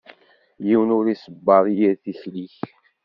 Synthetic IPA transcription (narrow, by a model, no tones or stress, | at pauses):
jiwənʊɾisəbːɑðˤijiɾθiçliç